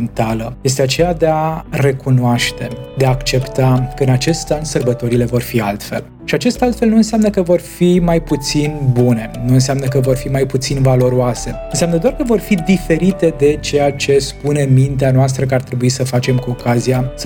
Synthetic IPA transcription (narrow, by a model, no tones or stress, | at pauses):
nt̪aləje̞s̬t̪eat͡ʃe̞jad̪e̞are̞kunoaʃt̪e̞d̪eaːkt͡ʃe̞pt̪akəɨnat͡ʃe̞st̪ansərbət̪o̞ɾile̞vo̞rfialt̪fe̞̰l | ʃiat͡ʃe̞st̪alt̪fe̞lnuɨnseamnəkəvo̞rfimajput̪sinbune̞nuɨnseamnək̬əvo̞rfimajput̪sinvalo̞ɾuase̞ɨnseamnəd̪oarkəvo̞rfid̪ife̞ɾit̪e̞d̪e̞t͡ʃe̞jat͡ʃe̞spune̞mint̪eanoast̪ɾəkəart̪ɾe̞buisəfat͡ʃe̞mkuo̞kazias